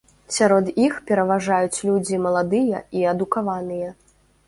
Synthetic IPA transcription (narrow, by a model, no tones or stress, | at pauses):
sʲaɾɔd̪ixpʲɛɾɐvaʐajut͡sʲlʲud͡zʲimɐlˠad̪ɨjɐ̰iɐd̪ukavanɨjɛ